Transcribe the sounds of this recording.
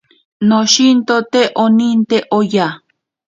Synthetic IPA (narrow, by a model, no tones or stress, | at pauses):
noʃint̪ot̪eʔonint̪eʔoja